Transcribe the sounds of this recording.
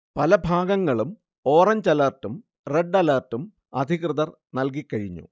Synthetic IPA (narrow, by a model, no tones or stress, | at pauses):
pɐlɐbʱaːɡɐŋːɐɭum | o̞ːrɐɲt͡ɕɐlɐːrtːum | reɖːɐlɐrtːum | ɐd̪ʱiɣrɨðɐr | nɐlk̬ikːɐɻiɲːṵ